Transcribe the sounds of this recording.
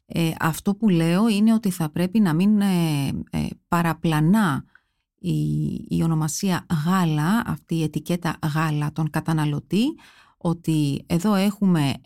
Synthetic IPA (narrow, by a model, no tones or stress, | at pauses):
eʔɐ̰ft̪o̞pule̞o̞ine̞o̞t̪iθɐpɾe̞pinɐmin̰ | pɐɾɐplɐnɐ | ḭːo̞no̞mɐsiɐɣɐlɐɐ̰ft̪iːe̞t̪ice̞t̪ɐ̰ɣɐlɐt̪o̞ŋkɐt̪ɐnɐlo̞t̪i | o̞t̪ie̞ðo̞e̞xume̞